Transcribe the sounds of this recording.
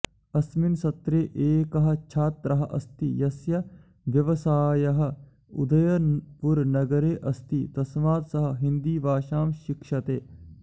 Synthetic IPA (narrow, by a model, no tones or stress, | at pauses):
ɐsminsɐt̪ɾeːʔeːkɐɦɐ̆t͡ʃʰaːt̪ɾɐɦɐ̆ʔɐ̰st̪ijɐsjɐ | ʋjɐʋɐsaːjɐɦɐ̆ | ṵd̪ɐjɐpuɾnɐɡɐɾeːʔɐst̪it̪ɐsmaːt̪sɐɦɐ̆ɦind̪iːbaːʃaːmʃikʃɐt̪eː